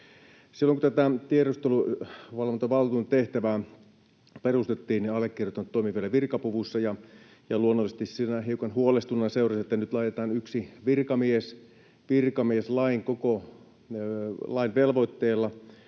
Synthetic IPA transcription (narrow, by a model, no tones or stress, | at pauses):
silːoŋkut̪æt̪æt̪ieɾust̪eluʋɑlʋont̪ɑʋɑlt̪uːnt̪eht̪æʋæː | perust̪et̪ːiːnniɑlːˑekːirjot̪ːɑnt̪ːoimiʋielæʋirkɑpuʋusːɑjɑ | jɑluonːolːses̆t̪issinæɦiukɑnhuolest̪unːɑseurɑset̪ːænyt̪lɑːt̪et̪ɑːnyksiʋirkɑmies | ʋirkɑmieslɑiŋkoko | lɑinʋelʋoit̪ːeːlːɑ